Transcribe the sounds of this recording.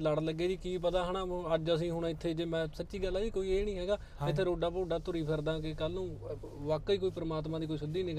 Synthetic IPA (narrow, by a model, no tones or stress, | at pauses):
ləɽləɡːeːd͡ʒiːkiːp̬ət̪aːɦənãːəd͡ʒəs̬ĩːɦʊɳːɪt̪ʰːeːd͡ʒeːmɛ̃ːsət͡ʃiːɡəlːaːiːkoːiːeːnĩːɦɛːɡaː | ɪt̪ʰːeːɾoːɖaːpoːɖaːt̪ʊɾiːpʰɪɾd̪ãːkɪkəlːõː | ʋaːkiːkoːiːpəɾəmaːt̪mãːd̪iːkoːisʊd̪iːnɪːɡ